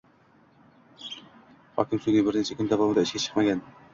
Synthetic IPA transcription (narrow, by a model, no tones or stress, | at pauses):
hɑ̰kʲɪmsyɡʲɪbɪɾnet͡ʃʰɛkʲʰynd̪avɑmɨd̪ɑiʃkʲɛt͡ʃʰɨ̥qmɑɡʲɛn